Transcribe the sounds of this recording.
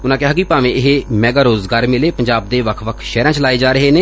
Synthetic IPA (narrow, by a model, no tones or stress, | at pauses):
ʊnãːkɪɦaːkipaːʋẽːɪɦemɛːɡaːɾoːzɡaːɾmɪleːpəɲd͡ʒaːb̚d̪eːʋəkʰʋəkʰʃɛːɾãːt͡ʃlaːeːd͡ʒaːɾəɦeːneː